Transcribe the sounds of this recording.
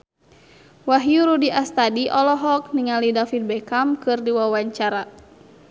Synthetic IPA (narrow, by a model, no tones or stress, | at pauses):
waɦjuɾudiʔast̪adiʔɔlɔɦɔk̚niŋalidafit̪̚bɛkamkɨrdiwawaɲt͡ʃaɾa